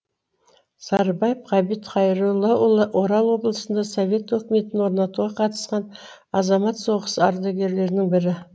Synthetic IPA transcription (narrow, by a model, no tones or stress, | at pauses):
sɑɾbɑjəfʁɑbit̪χɑjɾulˠːɑo̞ɾɑlˠwo̞blˠəsənd̪ɑso̞vʲe̞t̪wɵkʲɪme̞t̪ɪnwo̞ɾnɑt̪uʁɑqʰɑt̪ə̥sqɑn | ɑzɑmɑt̪so̞ʁəsəɑ̰ɾd̪ɑɡʲe̞ɾle̞ɾɪnɪŋbɪɾɪ